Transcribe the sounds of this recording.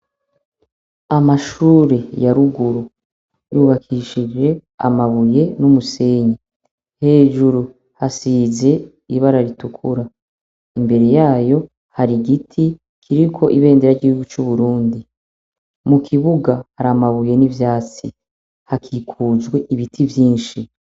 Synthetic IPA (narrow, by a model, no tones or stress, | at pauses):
amaʃuːɾe̞jaɾuɡuɾu | juːβakʰiʃid͡ʒe̞a̰maβuje̞numuse̞ːɲe | he̞ːʒuɾu | hasiːze̞ | iβaɾaɾitukʰuɾa | imbe̞ɾe̞jaːjo̞ | haɾiɡitʰi | kʰiɾikʰo̞ʔiβe̞ːndeɾaiɟihuɡut͡ʃuβuɾuːndi | mukʰiβuɡahaɾamaβuje̞nivjaːt͡si | hakʰiːkʰuːzɡwe̞ʔiβitʰivjiːnʃi